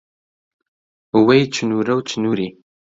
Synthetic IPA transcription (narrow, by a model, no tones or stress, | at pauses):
wejt͡ʃʰɨnuɾɐwt͡ʃʰɨnuːɾiː